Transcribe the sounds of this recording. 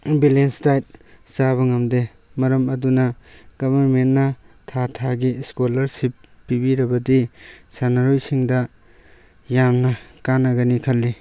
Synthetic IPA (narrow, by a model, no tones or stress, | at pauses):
bilenstajt̚saβɐŋɐmde | mɐɾɐmɐdunɐɡ̥ɐbʱɐɾmennɐ | tʰatʰaɡiskolɐɾsip | pibiɾɐbɐdisanaɾojsiŋdɐ | jamnɐkanɐɡɐnikʰɐlːi